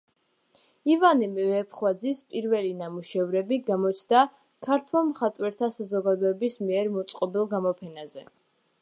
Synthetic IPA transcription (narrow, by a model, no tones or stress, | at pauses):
ivanimvɛpʰχwad̪zispʼiɾvɛlinamuʃɛvɾɛbiɡamɔt͡ʃʰd̪a | kʰaɾt̪ʰwɛmχat̪ʼwɛɾt̪ʰasazɔɡad̪ɔɛbismiɛɾmɔt̪sʼqʼɔbilˠɡamɔpʰɛnazɛ